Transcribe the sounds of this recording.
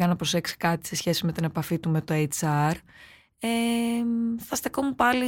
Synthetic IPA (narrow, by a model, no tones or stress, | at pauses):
ɣɐnɐpɾo̞se̞ksi̥kɐt̪i̥se̞sçe̞sime̞t̪ine̞pɐfit̪ume̞t̪oet͡sɐɾ | e | θɐst̪ekomupɐli